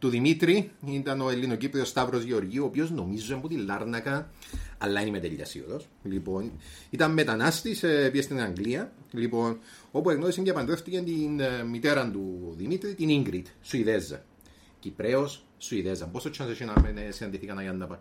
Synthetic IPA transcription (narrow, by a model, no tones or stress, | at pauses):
t̪uðimit̪ɾiint̪ɐno̞elːino̞cipɾeost̪ɐvɾo̞zʝeo̞ɾʝioːpio̞zno̞mizːuemput̪ilːɐɾnɐkɐɐlːɐinimet̪ḛʎːɐ̰sḭo̰ðos | lipo̞nit̪ɐmːet̪ɐnɐst̪isepiest̪inɐŋɡliɐ | lipo̞no̞pueɣnoisɐɲɟepɐnd̪ɾeft̪icent̪inːit̪eɾɐnt̪uðimit̪ɾit̪iniŋɡɾit̪suiðezːɐ̰ | cipɾeos | suiðezːɐmposot͡ʃːɐnseʃinɐmenesinɐnd̪iθikɐnɐjɐnːɐpɐ